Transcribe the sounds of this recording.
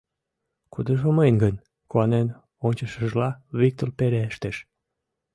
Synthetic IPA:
kud̪əʒoməjnɡən | kuɑnen | onʲt͡ɕəʃəʒlɑβik̚t̪olpeɾeeʃt̪eʃ

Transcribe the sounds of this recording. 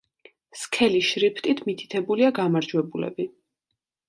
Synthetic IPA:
skʰɛliʃɾipʰt̪ʼit̪ʰmit̪ʰi̥t̪ʰɛbuliaɡamaɾd͡ʒwɛbulɛ̰bi

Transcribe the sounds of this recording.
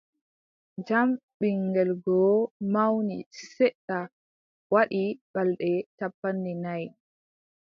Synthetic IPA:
d͡ʒamɓiŋɡɛlɡɔmawnisɛɗːa | waɗibalɗɛtapːanːinaj

